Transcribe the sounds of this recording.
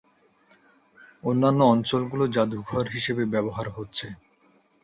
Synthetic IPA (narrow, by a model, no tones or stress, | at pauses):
onːanːoɔnt͡ɕolɡulod͡ʑad̪ʱuɡʱɔɾɦiʃebebɛboɦaɾɦotːɕʰe